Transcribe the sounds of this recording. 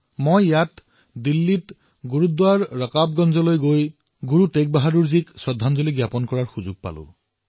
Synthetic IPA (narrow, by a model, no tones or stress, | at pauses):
mojjat | dilːit | ɡuɹud̪waɹːɔkab̚ɡɔnzɔlojɡoj | ɡuɹutek̚baɦaduɹziksɔd̪ʱːanzɔliɡjapɔnkɔɹaɹxuzuɡ̚pa̰lʊ̰̃